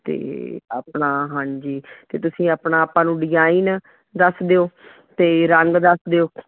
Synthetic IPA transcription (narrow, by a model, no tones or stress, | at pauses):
t̪ḛːa̰ːpɳaːɦãːɲd͡ʒiːt̪eːt̪ʊsĩːaːpnaːaːpãːnũːɖɪd͡ʒaːin | d̪əsd̪eːoː | t̪eːɾəŋɡd̪əsd̪eoː